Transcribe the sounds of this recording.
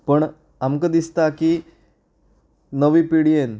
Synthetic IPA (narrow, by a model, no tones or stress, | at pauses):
pəɳ | amkəd̪ist̪aki | nəʋiːpiɽijen